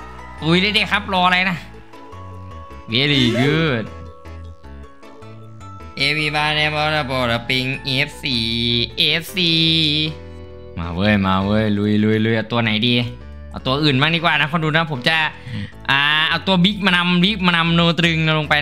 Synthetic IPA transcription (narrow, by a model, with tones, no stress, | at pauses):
t̪u˧˦jlaː˧˥˩jdaː˧˩jkʰa˦˥p̚lɔː˧a˧la˧jna˧˥ | we˧˩liː˧˩ɡɯː˧˩t̪̚ | ʔeː˧˩wiː˧˩baː˧˩nɛ˧˥bɔː˧˥laː˧˩bɔː˧˩la˧˩pe˧ŋʔe˧˦˥p̚siː˨˧˩ʔeː˧˦˥p̚siː˧ | ma̰ː˧wɤː˧˩jmaː˧˩wɤː˧˥˩jlu˧˩jlu˧˩jlu˧˩jʔa˧˩wt̪u˧ɐna˩˦jdiː˧ | ʔa˧˩wt̪u˧ɐʔɯː˨˩nmaː˥˩diː˧˥kwaː˨˩na˦˥kʰɔ˧˥˨duː˧na˦˥˩pʰo˩˦mt͡ɕa˨˧˩ | ʔaː˨˩ʔa˧˩wt̪u˧ɐbi˦˥k̚maː˧na˧mbi˦˥k̚maː˧na˧mnoː˧t̪ɾɯ˧ŋna˧lo˧ŋpa˧j